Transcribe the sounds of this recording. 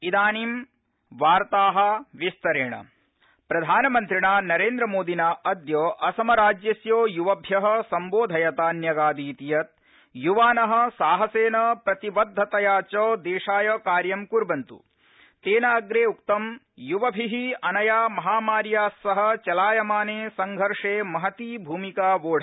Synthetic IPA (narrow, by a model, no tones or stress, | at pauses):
id̪aːniːm | ʋaːɾt̪aːɦɐ̆ʋist̪ɐɾeːɳɐ̰ | pɾɐd̪ʱaːnɐmɐnt̪ɾiɳaːnɐɾeːnd̪ɾɐmoːd̪ʱinɐʔɐd̪joːʔɐsɐmɐɾaːd͡ʒjɐsjoːjuʋɐbʱjɐɦɐ̆sɐmboːd̪ʱɐjɐt̪aːnjɐɡaːd̪iːt̪ijɐt̪̚ | juʋaːnɐɦɐ̆saːɦɐseːnɐpɾɐt̪iʋɐd̪ʱːɐt̪ɐjaːt͡ʃoːd̪eːʂaːjɐːkaːɾjɐmkuɾbɐnt̪ṵ | t̪eːnɐːɡɾeːukt̪ɐm | juʋɐbʱiɦiɐnɐjaːmɐɦaːmaːɾjaːsːɐɦɐ̆t͡ʃɐlaːjɐmaːneːsɐŋɡʱɐɾʂeːmɐɦɐt̪iːbʱuːmikaːʋoːɽ̤ʰʱɐ